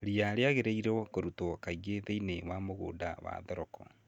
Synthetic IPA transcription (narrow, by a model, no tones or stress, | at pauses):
ɾiaɾeaɣeɾeiɾkoɾutokaiɣeðeinewamoɣo̰ːdawa̰ːðɔɾɔkɔ